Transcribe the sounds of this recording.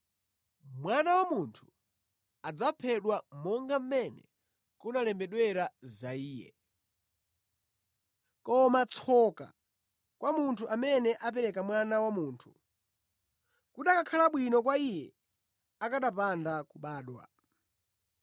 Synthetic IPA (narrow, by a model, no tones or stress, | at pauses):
mwanawamuntʰu̥ | ad͡zapʰɛɗwamɔŋɡam̩mɛnɛ̰ | kunalɛmbɛɗwɛɾazaiːjɛ̰ | kɔmat͡sʰɔka̰ | kwamuntʰuʔamɛnɛʔap̬ɛɾɛkamwanawamuːntʰu̥ | kuɗakakʰalaɓwinɔk̬waijɛ | akaɗapandakuɓaːɗwa̰